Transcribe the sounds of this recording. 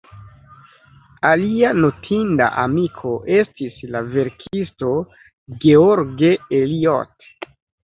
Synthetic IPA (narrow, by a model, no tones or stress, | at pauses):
alianotʰinda̰ʔamikʰo̞ʔe̞stislave̞ɾkʰisto̞ | ɡeoɾɡe̞elio̰t